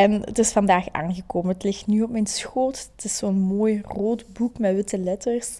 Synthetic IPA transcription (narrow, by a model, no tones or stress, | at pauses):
ɛnə̰tɪsfɑndaːxa̰ːnɣəkoːmənətlɪxtnyɔpmɛjnsxoːttɪsːoːənmoːjroːtbukmɛtʋɪtəlɛtərs